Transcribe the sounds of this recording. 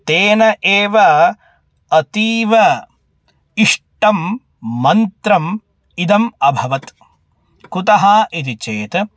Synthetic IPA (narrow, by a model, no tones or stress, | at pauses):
t̪eːnɐʔeːʋɐ | ɐt̪iːʋɐ | iʂʈɐmː | ɐnt̪ɾɐm | id̪ɐmɐbʱɐʋɐt̪ | kut̪ɐɦɐːʔit̪it͡ʃeːt̪